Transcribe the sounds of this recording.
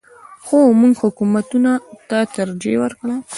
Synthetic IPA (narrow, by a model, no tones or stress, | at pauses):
xomuŋɡhʊkumat̪unat̪at̪aɾd͡ʒḛwəɾkɽa